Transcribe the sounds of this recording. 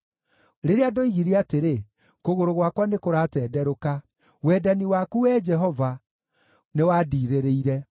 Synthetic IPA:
ɾeɾeadoiɣiɾeateɾe | koɣoɾoɣwakwanekoɾatɛːdɛɾoka | wɛːdaniwakuwɛːd͡ʒɛɦɔva | newaːdiːɾeɾeiɾɛ

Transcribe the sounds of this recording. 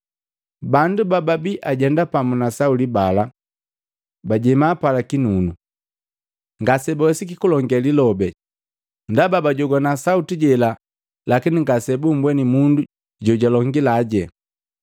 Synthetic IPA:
bandubababiʔaɟɛndapamunasaulibala | baɟɛmaːpalakinunu | ŋɡasɛbawɛsikikulɔŋɡɛlilɔbɛ | ndababaɟɔɡwanasautiɟɛla | lakiniŋɡasɛbum̩bwɛnimundu | ɟɔɟalɔŋɡilaɟɛ

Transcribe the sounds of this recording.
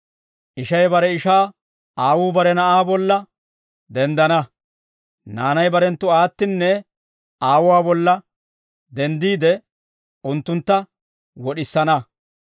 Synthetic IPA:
ʔɪʃɐjbɐɾɛɪʃaː | aːwuːbɐɾɛnɐʔaːbɔlːɐ | d̪ɛnd̪ɐnɐ | naːnɐjbɐɾɛnt̪ːʊaːt̪ːɪnːɛ | aːwʊwaːbɔlːɐ | d̪ɛnd̪iːd̪ɛ | ʊnt̪ːʊnt̪ːɐ | wɔɗɪsːɐnɐ

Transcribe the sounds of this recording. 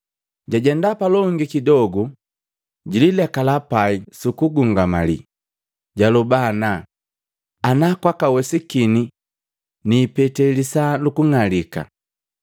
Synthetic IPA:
ɟaɟɛndapalɔŋɡikidɔɡu | ɟililɛkalapaisukuɡuŋɡamalḭ | ɟalubana | anakwakawɛsikini | niːpɛtɛlisalukuŋalika̰

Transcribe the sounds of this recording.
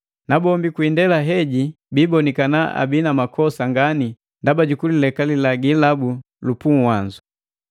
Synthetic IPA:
nabɔmbikwindɛlaɦɛɟi | bibɔnikanaa̰binamakʰɔsaŋɡani | ndabaɟukulilɛkalilaɡilabu | lupuŋwaɲd͡ʒu

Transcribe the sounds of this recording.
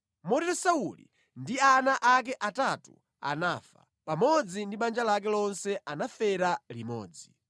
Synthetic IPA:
mɔtɛsaulḭ | ndianaʔak̬ɛʔatatṵ | a̰naːfa̰ | pamɔd͡zindiɓand͡ʒalak̬ɛlɔnsɛʔanafɛɾalimɔ̰ːd͡zi

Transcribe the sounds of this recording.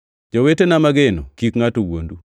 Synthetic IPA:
d͡ʒowetenamaɡeno̰kikŋatowo̰ndu

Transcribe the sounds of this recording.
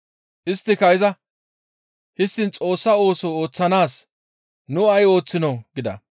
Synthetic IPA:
ʔɪst̪ːɪkɐɪzɐ | hɪsːɪnt͡sʼo̞ːsːɐo̞ːsɔoːt͡sːɐnaːs | nʊɐjo̞ːt͡sːɪnɔɡɪd̪ɐ̰

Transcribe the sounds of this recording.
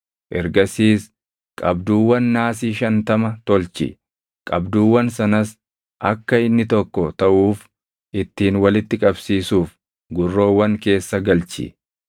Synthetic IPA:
ʔɛɾɡɐsiːs | kʼɐbd̪uːwːɐnːaːsiːʃɐnt̪ɐmɐt̪ɔlt͡ʃɪ̰ | kʼɐbd̪uːwːɐnsɐnɐs | ʔɐkːɐɪnːɪt̪ɔkːɔt̪ɐʔuːf | ʔɪt̪ːiːnwɐlɪt̪ːɪkʼɐbsiːsuːf | ɡʊrːo̞ːwːɐŋke̞ːsːɐɡɐlt͡ʃɪ̰

